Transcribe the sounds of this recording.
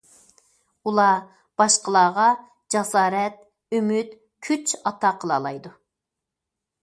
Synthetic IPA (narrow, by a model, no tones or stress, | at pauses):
ulˠɑ | b̥ɑʃqʰəlˠɑːʁɑ | d͡ʒɑsɑːɾɛt̪̚ | ymyt̪ | kʲʰyt͡ʃɑt̪ʰɑqʰəlˠɑ̰lˠɑjd̪u